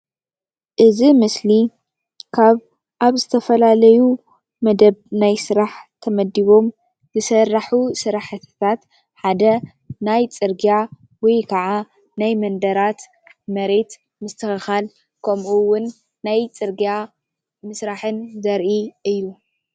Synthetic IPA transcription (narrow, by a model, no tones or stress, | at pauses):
ʔɨzimɨsli | kʰaβ | ʔaβzɨt̪ʰɐfɐlalɐju | mɐd̪ɐβnajsɨɾaħt̪ʰɐmɐd̪iβo̞m | zɨsɐrːaħusɨɾaħt̪ʰt̪ʰat̪ | ħad̪ɐ | najt͡sʼɨɾɡija | wɔjkʰɐʕa | najmɐnd̪ɐɾat̪ | mɐɾe̞t̪ | mɨst̪ʰɨxɨxal | kʰɐmʔuwʊnː | ajt͡sʼɨɾɡja | mɨsɾaħɨnzɐɾʔiɨjːu